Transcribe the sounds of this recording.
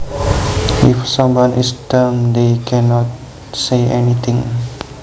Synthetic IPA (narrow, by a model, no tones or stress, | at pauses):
ifsʌ̃mwãnʔistəmd̪ekʰɛnɔt̚ | seɛnit̪ɪ̃ŋ